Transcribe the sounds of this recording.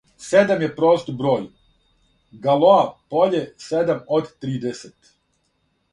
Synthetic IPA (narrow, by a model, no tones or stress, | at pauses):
sed̪amjepɾoːst̪bɾoːj | ɡalˠoapoʎesed̪amod̪t̪ɾiːd̪eset̪